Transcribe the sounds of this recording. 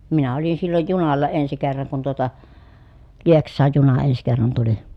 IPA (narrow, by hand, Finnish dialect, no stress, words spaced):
minæ olin silːoj junɑlːɑ ensi kerːɑŋ kun tuotɑ lieksˑɑːj junɑ ens kerːɑn tuli